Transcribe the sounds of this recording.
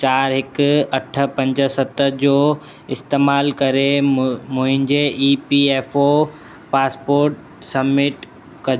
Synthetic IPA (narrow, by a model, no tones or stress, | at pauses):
t͡ɕaːɾɦɪkɐʈʰə̆pɐ̃ɲd͡ʑə̆sɐt̪əd͡ʑoː | ɪst̪eːmaːlkɐɾemʊ̃ɦɪ̃ɲd͡ʑeʔiːpieːfo | paːspoːɾʈ | sɐbmɪʈ | kɐ